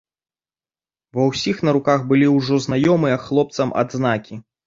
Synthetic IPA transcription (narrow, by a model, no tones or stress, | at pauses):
vɐwsʲixnɐɾukaxbɨlʲiwʐɔznajɔmɨjɐxlˠɔp̚t̪sɐmʔɐ̰d̪zn̪akʲi